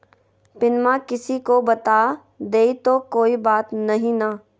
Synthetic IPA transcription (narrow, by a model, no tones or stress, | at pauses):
pɪnmakɪsikobɐt̪aː | d̪eːit̪okoːibaːt̪nɐɦĩna